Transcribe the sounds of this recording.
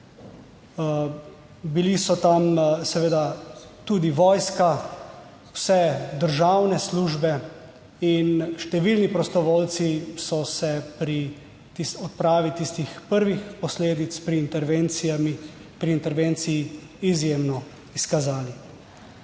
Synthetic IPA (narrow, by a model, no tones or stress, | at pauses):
bilisɔt̪amsɛʋeːd̪at̪uːd̪iʋɔːjska | wsɛd̪əɾʒawnɛsluːʒbɛ | inʃt̪ɛʋilnipɾɔst̪ɔʋoːlt̪sisɔsɛpɾi | t̪isɔt̪̚pɾaːʋit̪ist̪ixpəɾʋixpɔsleːd̪it̪spɾiːnt̪ɛɾʋensiami | pɾiːnt̪ɛɾʋeːnt̪sijiː | zjeːmnɔ | iskazaːli